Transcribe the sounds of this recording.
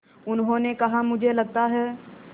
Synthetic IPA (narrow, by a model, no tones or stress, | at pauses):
ʊnɦõnekɐɦamʊd͡ʒʱelɐɡ̚t̪aɦɛː